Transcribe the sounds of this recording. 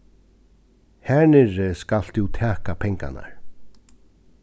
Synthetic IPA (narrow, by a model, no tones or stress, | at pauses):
hɛnɪɾskal̥t̪ʰuwt̪ʰæːkapʰɛŋka̰na̰ɹ